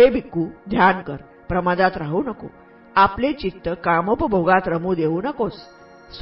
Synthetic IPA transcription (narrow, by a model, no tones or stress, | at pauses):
ɦebʱikːuːd̪ʱjankəɾ | pɾəmad̪at̪ɾaɦuːnəko̰ | aplet͡ɕit̪ːəkaməpəbʱoɡãt̪ɾəmuːd̪euːnəkos | s